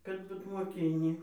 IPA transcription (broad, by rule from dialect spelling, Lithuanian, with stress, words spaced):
kɐt ˈbʊt moːˈkʲɪnʲiː